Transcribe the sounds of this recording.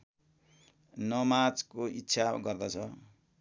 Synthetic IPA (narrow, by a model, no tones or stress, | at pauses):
nʌmad͡zkoitːsʰaɡʌrd̪ʌt͡sʰʌ